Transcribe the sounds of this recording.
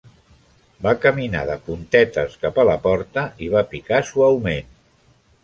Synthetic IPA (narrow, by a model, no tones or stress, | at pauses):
bakəmina̰ðəpunt̪ɛt̪əskapaləpɔɾt̪əiβ̞apikasuawmen